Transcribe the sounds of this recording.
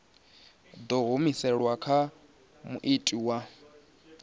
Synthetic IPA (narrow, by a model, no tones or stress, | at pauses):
d̪ɔɦomisɛɺwakʰa | mṵʔitʼiwa